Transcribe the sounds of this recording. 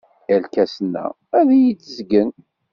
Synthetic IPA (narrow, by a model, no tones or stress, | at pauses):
jælkæsənːæ̰ | æðæjit͡sːəzɡən